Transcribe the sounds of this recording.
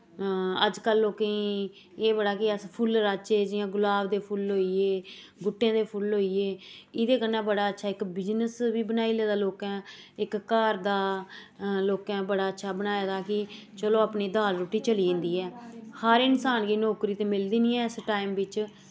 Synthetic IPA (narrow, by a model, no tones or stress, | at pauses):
əd͡ʒkəlːoːkẽiː | eːbəɽaːkɪəspʰʊlɾaːt͡ʃeːd͡ʒɪãːɡʊlaːʋd̪eːpʰʊlɦoːieː | ɡʊʈːẽːd̪eːpʰʊlɦoːieːɪd̪eːkənːãːbəɽaːətːʃʰaːɪkbɪd͡ʒnəsʋiːbənaːiːleːd̪aːloːkɛ̃ːɪkːaːɾd̪aː | loːkɛ̃ːbəɽaːətːʃʰaːbənaːjaːd̪aːkɪt͡ʃəloːaːpneːd̪aːlɾoːʈiːt͡ʃəliːẽːnd̪iːɛːhaːɾɪnsaːnɡiːnoːkɾiːt̪eːmɪld̪iːniːɛ̃ːəsʈaːɪmʋɪt͡ʃ